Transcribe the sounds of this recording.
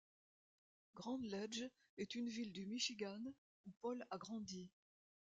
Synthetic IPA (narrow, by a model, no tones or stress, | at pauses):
ɡʁɑ̃d̪lɛd͡ʒ | ɛt̪ynvild̪ymiʃiɡan | upɔlaɡʁɑ̃d̪i